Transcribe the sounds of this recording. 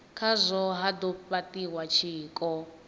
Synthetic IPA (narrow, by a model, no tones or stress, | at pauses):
kʰazʷɔɦad̪ɔpatiwat͡ʃʰiːkʼɔ